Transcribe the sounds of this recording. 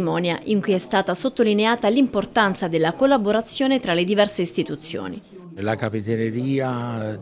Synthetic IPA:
mɔːnjaʔiŋkujɛst̪aːt̪asot̪ːolineaːt̪alimport̪ant̪sad̪elːakolːaboɾat̪sːjoːnet̪ɾaled̪ivɛrseist̪it̪ut̪sːjo̰ːnḭ | lakapit̪eneɾiːa

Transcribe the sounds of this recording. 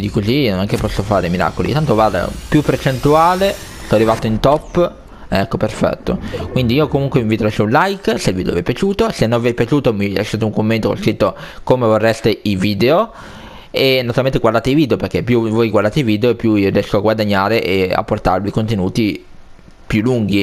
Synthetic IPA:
id̪ikozinonɛŋkepːɔsːofaːɾemiɾa̰ːkolḭt̪ant̪ovwaːd̪a̰pjupːert͡ʃent̪uaːlest̪ɔrivat̪oint̪ɔpː | ɛkːoperfɛ̰t̪ːo̰kwind̪iiːokomuŋkwemiɱvit̪oɾosunlajkselvid̪o̰a̰vɛjpjat͡ʃuːt̪osenːõavɛpjat͡ʃuːt̪omila̰sʃat̪ouŋkomːent̪oko̰skɾit̪ːokomevorːɛst̪eiviːd̪eo | enat̪uɾalment̪eɡwaɾd̪aːt̪eiviːd̪eopeɾk̟epːjuvojɡwaɾrd̪aːt̪eiviːd̪eoepːjuirijɛskoaɡwad̪aɲːaːɾeʔea̰pːort̪a̰ɾvikont̪enuːt̪i | pjulːuŋɡ̟i

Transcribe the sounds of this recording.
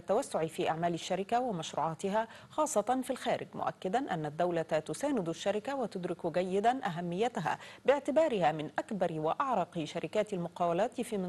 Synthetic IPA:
t̪ːawasːʊʕifiːʔaʕmaːlaʃːaɾɪkawɪmaʃɾṵːʕɑːt̪ɪɦa | xɑːsˤːɑt̪ˤɑnfilxaːɾɪ̰ɡmʊ̰ʔa̰kːɪd̪anʔanːad̪ːawlat̪ʊsaːnɪd̪aʃːaɾɪkawat̪ʊd̪ɾɪkʊɡajːɪd̪anʔaɦamːɪjːat̪ɪɦa̰bɪʕt̪ɪbɑːɾɪhamɪnʔakbɑɾɪwaʔɑʕɾˤɑqʃaɾɪkaːt̪almʊqɑːwalaːt̪fiːmɪ

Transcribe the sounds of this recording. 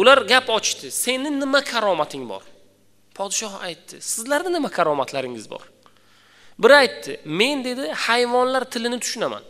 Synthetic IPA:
ʊlaɾɡʲapɒt͡ʃt̪ɪse̞nɪnɪmakʰaɾɒmat̪ʰɪŋbɒ̰ɾ | pʰɒd̪ɪʃɒha̰jt̪ʰːɪsɪzlaɾnɪnɪmakʲʰaɾɒmat̪ʰlaɾɪŋɪzbɒ̰ɾ | bɪɾajt̪ʰːɪme̞nd̪e̞d̪ɪhajvɒnlaɾt̪ʰɪlɪnɪt̪ʰʊ̥ʃʊnama̰n

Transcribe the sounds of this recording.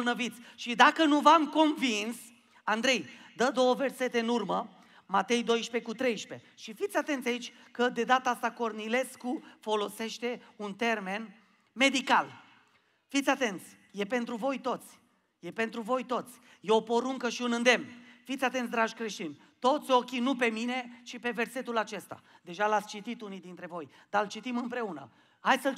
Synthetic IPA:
lnəvit̪sʲʃid̪akənuvamko̞nvins | and̪ɾe̞jd̪əd̪o̞wəve̞rse̞t̪e̞ɨnurmə | mat̪e̞jd̪o̞jʃpe̞kut̪ɾe̞jʃpe̞ʃifit̪sʲat̪e̞nt̪sʲait͡ʃʲ | kəd̪e̞d̪at̪aast̪ako̞rnile̞skufo̞lo̞se̞ʃt̪e̞unt̪e̞rme̞n | me̞d̪ikal | fit̪sʲat̪e̞nt̪sʲ | je̞pe̞nt̪ɾuvo̞jt̪o̞t̪sʲ | je̞pe̞nt̪ɾuvo̞jt̪o̞t̪sʲ | jeo̞po̞ɾuŋkəʃiunɨnd̪e̞mnfit̪sʲat̪ent̪̬ʲd̪ɾaʒkɾeʃt̪inʲ | t̪o̞t̪sʲo̞kʲinupe̞mine̞t͡ʃipe̞ve̞rse̞t̪ulat͡ʃe̞st̪a̰d̪e̞ʒalat̪sʲt͡ʃit̪it̪unijd̪int̪ɾe̞vo̞j | d̪̥alt͡ʃit̪imɨmpɾe̞unə̰ | hajsəl

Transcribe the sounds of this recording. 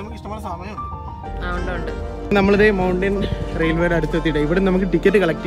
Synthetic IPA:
ɐmukːiʂʈɐmasaːmɐn | ɳɖɳɖɨ | nɐmːɐɭuðemɐwɳɖinrejlʋeɽɐɽut̪ːuʋɐt̪ːijʈːɨiʋiɽemnɐmuk̬ːɨʈikʲːɐʈːɨkɐɭɐk̚ʈː

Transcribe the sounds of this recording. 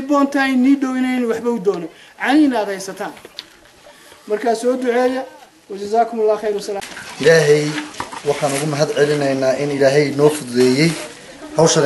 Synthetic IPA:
bɔːnt̪ʰɐjniːɖɔwɪnɛnʊwɑħbɐʊd̪ɔːnɔ | ʕɑninaːd̪hɛjsɐt̪ʰaːn | mɐrkʰaːsɔːd̪ʊʕɛːjɐ | wɐd͡ʒɐzaːkʰʊmʊlːɑːxejɾwɐsɐlaːʔɪlaːɦɛjwɑħɑːnʊɣʊmɐɦɐd̪ʕɛlɪnɐjnaːʔɪnɪlaːɦɛjnɔːfʊdðɛːjɛj | hɐwʃɐɣ

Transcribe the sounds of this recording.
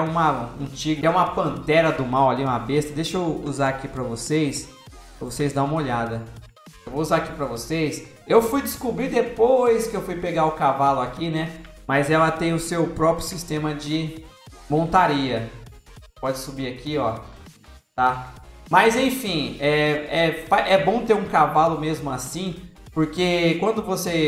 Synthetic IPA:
ũmɐṵ̃t͡ʃiɡʊɛũmɐpɐ̃nt̪ɛɾɐd̪ʊmawaliũmɐbest̪ɐd̪eʃouzaɾakipɾɐvosejs | pɾɐvosejzd̪aũmɐoʎad̪ɐ | ewvouzaɾakipɾɐvosejs | ewfujd͡ʒ̪ɪskubɾid̪epojskɪewfujpeɡaʊkavalʊakinɛmɐjzɛlɐt̪ẽj̃ʊsewpɾɔpɾjʊsist̪ẽmɐd͡ʒɪ | mõnt̪aɾiɐ | pɔd͡ʒɪsubiakiɔ | t̪amɐzẽj̃fĩɛɛpaʔɛbõt̪eɾũkavalʊmezmʊasĩpoɾkekwɐ̃nd̪ʊvose

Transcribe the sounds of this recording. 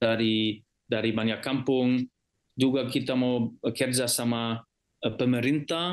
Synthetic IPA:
aɾi | daɾibaɲakːampʊŋ | d͡ʒuɡakit̪amawkɛrd͡ʒasama | pəməɾint̪a

